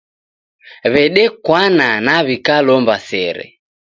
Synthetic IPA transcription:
βɛɗɛkwananaβikalɔmbasɛɾɛ̰

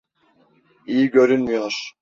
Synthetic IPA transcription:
ijiɟø̞ɾynmijoɾ̥

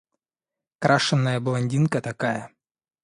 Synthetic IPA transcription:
kɾʔaʂɨnːəjəblˠɐnʲdʲinkət̪ɐkajə

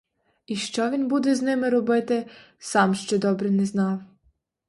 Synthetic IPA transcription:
iʃt͡ʃɔʋʲinbud̪ɛznɪmɪɾɔbɪt̪ɪ | sɑmʃt͡ʃɛd̪ɔbɾɛnɛznɑw

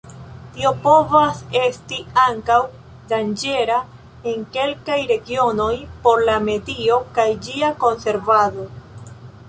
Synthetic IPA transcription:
tio̞po̞vase̞stiaŋkaw | dand͡ʒe̞ɾa | e̞ŋke̞lkajɾe̞ɡio̞no̞jpo̞ɾlame̞dio̞kajd͡ʒiako̞nse̞ɾvado̞

